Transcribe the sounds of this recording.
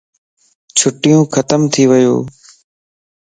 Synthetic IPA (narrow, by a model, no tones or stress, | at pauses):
t͡ʃʰʊʈɪjũːxkʰət̪əmt̪ʰiːʋəjo̰ː